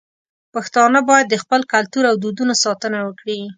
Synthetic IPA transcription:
paxt̪ɑnəbɑjad̪ːəxpəlkalt̪uɾawd̪ud̪unosɑt̪ənawəkɽi

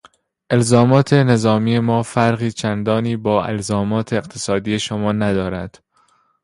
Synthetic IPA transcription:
ʔe̞lzɒːmɒːt̪ʰe̞ne̞zɒːmiːje̞mɒːfæɾɣiːt͡ʃʰænd̪ɒːniːbɒːʔe̞̰lzɒːmɒːt̪ʰe̞ːɣt̪ʰesɒːd̪iːje̞ʃomɒːnæd̪ɒːɾæd̪̥

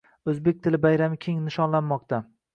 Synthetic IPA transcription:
ɵzbe̞k̚ʲt̪ʰɪlɪbajɾamɪkʲʰe̞ŋnɪʃɒnlanmɒq̚t̪ʰa

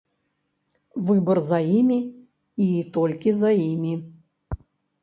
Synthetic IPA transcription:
vɨbɐrzɐimʲi | iːt̪ɔlʲkʲizɐimʲi

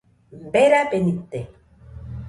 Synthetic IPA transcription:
mbeɾapenit̪ːe

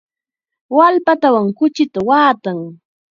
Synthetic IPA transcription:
walpat̪awaŋkʊt͡ʃɪt̪awaːt̪aŋ

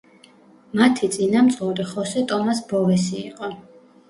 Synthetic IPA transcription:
mat̪ʰit̪sʼinamt̪sʼuɾiχɔsɛt̪ʼɔmasbɔvɛsḭːqʼɔ

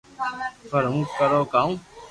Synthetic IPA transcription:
fʰəɾũːkəɾoːkaːũː

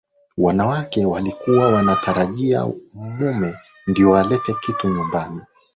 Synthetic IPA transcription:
wanawakɛwalikuwawanatʰaɾaʄia̰mumɛ | ndiɔwalɛtɛkituɲumbani

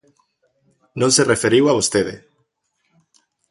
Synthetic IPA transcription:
nõŋserefeɾiwaβost̪eðḛ

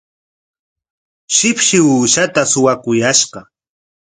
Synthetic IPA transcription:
ʃɪpʃɪuːʃat̪asʊwakʊjaʃɢɑ

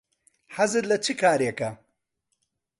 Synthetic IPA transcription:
ħɐzɨɾlɐt͡ʃʰɨkʰaːɾekɐ

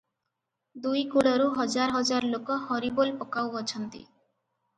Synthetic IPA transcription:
d̪ujkuɽɔɾuɦɔd͡ʒaɾɦɔd͡ʒaɾlokɔhɔɾibolpɔkawɔt͡ʃʰɔnt̪ḭ

